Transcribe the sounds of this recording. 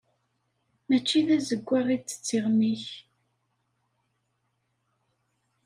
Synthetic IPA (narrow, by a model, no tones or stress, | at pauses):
mæt͡ʃːiðæzəɡʷːaʁit͡sːə̥t͡sːiʁmiç